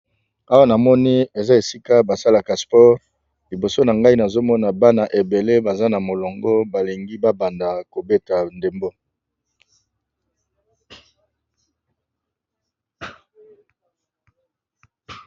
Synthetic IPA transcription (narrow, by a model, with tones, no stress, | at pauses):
a˦wa˦na˨mɔ˦ni˦e˨za˦e˨si˦ka˦ba˨sa˦la˨ka˨spɔ˦ʁ | li˨bo˨so˦na˨ŋɡa˦i˦na˨zo˦mɔ˦na˨ba˦na˨ʔe˨be˨le˦ba˨za˦na˨mo˨lɔ˨ŋɡɔ˦ba˨li˨ŋɡi˦ba˦ba˨nda˨ko˨be˦ta˨nde˨mbo˦